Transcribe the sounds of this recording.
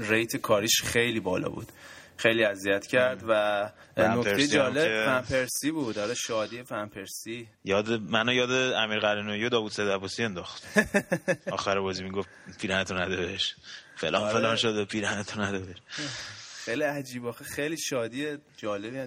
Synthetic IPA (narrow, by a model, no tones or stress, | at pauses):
rejt̪ʰekʰɒːɾiʃxe̞jliːbɒːlɒ̰ːbṵd̪̥xejliːæziæt̪ʰcʰæɾd̪væ | nok̪ejed͡ʒɒːlefæmpʰeɾsiːbud̪ɒlɒʃɒːd̪iːefæmpʰeɾsi | jɒːd̪emænojɒːd̪eæmiːɾɣæɾinojod̪ɒːvud̪sed̪æbosiend̪ɒxt̪ | ɒːxæɾebɒːzimiɡof | pʰiːɾænet̪ʰonæd̪obeʃfelʔɒnfelɒnʃod̪epʰiɾænet̪ʰonæd̪obeʃ | xejliæd͡ʒiːbɒxexejliːʃɒːd̪iːed͡ʒɒːlebi